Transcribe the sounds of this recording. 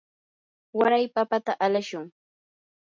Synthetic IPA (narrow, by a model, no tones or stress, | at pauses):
waɾajpapat̪aʔalaʃʊŋ